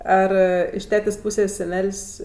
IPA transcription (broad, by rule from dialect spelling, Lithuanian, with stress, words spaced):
ˈɐr ɪʃ ˈtʲæːtʲeːsʲ ˈpuːsʲeːsʲ sʲɛˈnʲɛlʲsʲ